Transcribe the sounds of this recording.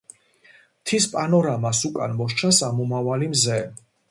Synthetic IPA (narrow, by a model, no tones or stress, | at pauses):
t̪ʰispʼanɔɾamasukʼa̰nmɔʃt͡ʃʰasamumavalimzɛ